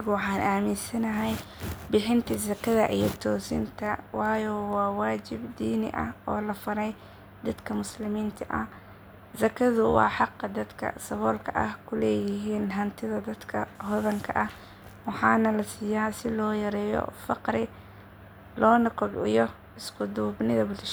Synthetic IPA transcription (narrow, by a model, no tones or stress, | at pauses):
ɣʊwɑħɑːnʔaːmɪnsɐnɐɦɛj | bɪħɪnt̪ʰizɐkʰɐðɐ̰ʔijɞt̪ʰɔːsɪ̰nt̪ʰɐwɑːjɔwɑːwɑːt͡ʃɪbd̪iːnɪ̰ʔɐ̰hʔɔːlɐfɐɾɛj | d̪ɐd̪kʰɐmʊslɪmiːnt̪ʰɐʔɐh | sɐkʰɐðʊwɑ̰ːħɑqːɑd̪ɐd̪kʰɐ̰sɐβɔːlkʰɐʔɐ̰hkʰʊlɛːjɪɦiːnɦɐnt̪ʰɪðɐd̪ɐd̪kʰɐhɔðɐŋkʰɐʔɐh | wɑħɑːnɐlɐsiːjaːsɪlɔːjɐɾɛːjɔ̰fɑqɾɪ | lɔːnɐqʊbɪ̰jɔ | ɪskʰʊd̪uːbnɪðɐbʊd̪ʃ